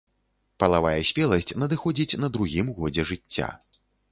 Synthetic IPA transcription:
pɐlˠavajɐsʲpʲɛlˠɐsʲt͡sʲnɐd̪ɨxɔd͡zʲit͡sʲn̪ɐd̪ɾuɣʲimɣɔd͡zʲɛʐɨt͡sʲːa̰

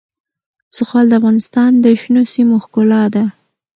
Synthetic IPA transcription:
sʊxwɑld̪əafɣɑnɪst̪ɑnd̪əʃnosimoxkʊlɑd̪a

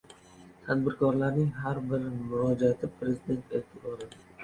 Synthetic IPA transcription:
t̪ʰad̪bɪɾkʰɒɾlaɾnɪŋɦaɾbɪɾmʊɾɒd͡ʒat̪ʰɪpʰɾe̞zid̪e̞nt̪elt̪ʰɪbɒɾɪ

